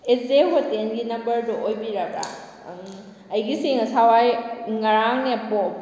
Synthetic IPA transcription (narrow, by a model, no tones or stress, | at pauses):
ezeɦotenɡinɐmbɐɾdɔʔojbiɾɐbɾa̰ | ɐjɡiseŋɐsawajŋɐɾaŋneɐpo